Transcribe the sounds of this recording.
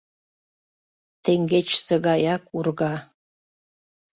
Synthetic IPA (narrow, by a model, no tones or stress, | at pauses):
tʰeŋɡʲet͡ʃʰsɐɡajakʼurɡa